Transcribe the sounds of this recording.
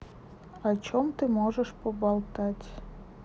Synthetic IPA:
ɑt͡ɕomt̪ɨmoʒəʃpobɑlˠt̪ɑtʲ

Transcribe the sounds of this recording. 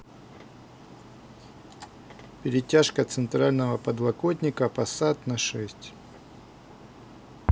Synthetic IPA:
pʲɪɾʲɪtʲaʂkət̪sɨnt̪ɾalʲnəvəpəd̪lˠɐkot̪ʲnʲɪkəpɐsat̪nɐʂɛsʲtʲ

